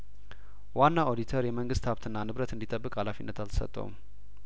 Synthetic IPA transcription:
wanːaʔo̞d̪it̪ʰəɾjɛməŋɡɨst̪haβt̪ʰɨnːanɨβɾət̪ɨnd̪it̪ʼəbːɨkʼhalafinːət̪ʰalt̪ʰə̥sə̰t̪ʼːə̰wṵm

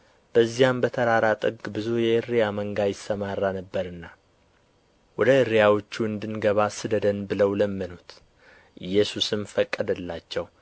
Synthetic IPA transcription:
b̥əzːijambət̪ʰəɾaɾat̪ʼɨɡbɨzujɛʔɨɾːijaməŋɡajɪsːəmarːanəbːəɾɨnːa | wɔd̪əɨɾːijawot͡ʃːuɨnd̪ɨnɡəβasɨd̪əd̪ənbɨləwləmːənut̪ | ʔɨjːɛsusɨmfəkʼːəd̪əlːat͡ʃːɛw

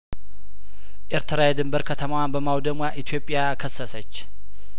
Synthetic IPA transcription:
ʔeɾt̪ʰɨɾajɛd̪ɨmbəɾkʰət̪ʰəmawanbəmawd̪əmwaʔit̪ʰjo̞pʼːɪjakʰəsːəsət͡ʃː

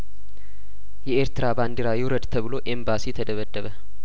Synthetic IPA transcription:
jɛeɾt̪ɨɾaband̪iɾajɛwɾəd̪t̪ʰəβɨlo̞ʔembasit̪ʰəd̪əβəd̪ːəβə

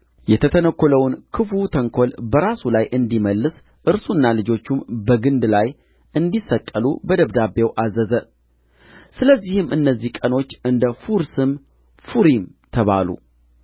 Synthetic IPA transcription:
jɛt̪ʰət̪ʰənəkʰʷːoləwnkʰɨfut̪ʰəŋkʰo̞lbəɾasulajʔɨnd̪iməlːɨs | ʔɨɾsunːalɨd͡ʒo̞t͡ʃːumbəɡɨnd̪laj | ʔɨnd̪isːəkʼːəlṵbəd̪əβd̪abewʔazəzə | sɨləzːihɨmɨnːəzːihkʼəno̞t͡ʃːɨnd̪əfuɾsɨm | fuɾimt̪ʰəβa̰lṵ

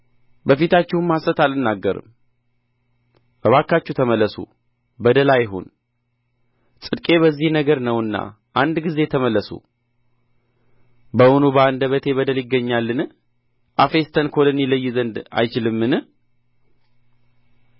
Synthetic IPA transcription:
bəfit̪ʰat͡ʃːɪhnmːasət̪alɨnːaɡːəɾɨ̰m | bəβakːat͡ʃːut̪ʰəməlːəsṵ | bəd̪əlajɪɦo̰n | sʼɨd̪kʼe̞βəzːihnəɡəɾnəwɨnːa̰ | ʔand̪ɡize̞t̪ʰəməlːəsṵ | bəonubəand̪əβət̪ʰe̞βəd̪əljɪɡːəɲːalːɨnɨ | ʔafe̞st̪ʰənkʰo̞lɨnjɪləjːɪzənd̪a̰jt͡ʃɪlɨmːɨnɨ

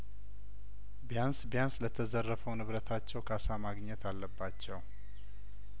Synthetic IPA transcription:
bijansbjanslət̪ʰəzərːəfəwnɨβɾət̪ʰat͡ʃːɛwkʰasamaɡɲɛt̪ʰalːəbːat͡ʃːɛw

